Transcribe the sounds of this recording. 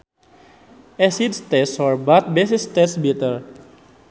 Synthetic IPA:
ɛsid̪st̪ɛsfɔrbat̪̚besist̪ɛsbit̪ər

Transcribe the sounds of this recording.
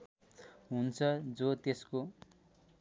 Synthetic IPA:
ɦunt͡sʰʌd͡zot̪esko

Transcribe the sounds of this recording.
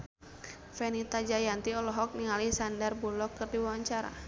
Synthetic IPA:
fɛnit̪ad͡ʒajant̪iɔlɔɦɔk̚niŋalisandarbulɔkːərdiwawaɲt͡ʃaɾa̰

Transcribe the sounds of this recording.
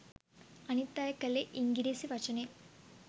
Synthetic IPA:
ɐnit̪ːaːjɐkɐlːeʔiŋɡiɾeːsiʋɐt͡ʃɐne

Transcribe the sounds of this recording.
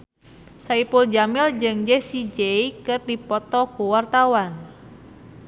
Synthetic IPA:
saipuld͡ʒamɪld͡ʒɨŋd͡ʒɛsid͡ʒeikɨrdipɔt̪ɔkuwart̪awan

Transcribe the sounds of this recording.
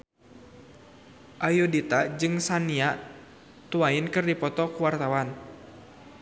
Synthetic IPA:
ʔajudit̪ad͡ʒɨŋsania | t̪uainkɨrdipɔt̪ɔkuwart̪awan

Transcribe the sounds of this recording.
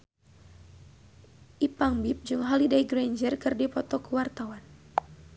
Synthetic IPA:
ʔipaŋbip̚d͡ʒuŋɦalidajɡɾaɲd͡ʒərkɨrdipɔt̪ɔkuwart̪awan

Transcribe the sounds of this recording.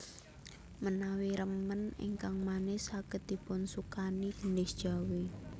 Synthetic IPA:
mənawiɾəmənḭŋkaŋmanɪsaɡ̥ət̪̚d̪ipʊnsukaniɡəndɪsd̥ʒ̥a̤wi

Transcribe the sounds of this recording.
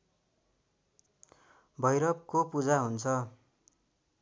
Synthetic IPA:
bʱʌjɾʌb̚kopud͡zaɦunt͡sʰʌ

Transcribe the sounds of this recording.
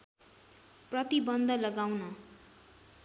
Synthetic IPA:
prʌt̪ibʌnd̪ʱʌlʌɡawnʌ

